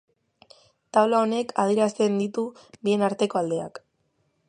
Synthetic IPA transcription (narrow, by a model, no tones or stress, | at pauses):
t̪awlao̞ne̞kʰað̞ieɾast̪e̞nd̪it̪uβie̞naɾt̪e̞ko̞ald̪e̞a̰k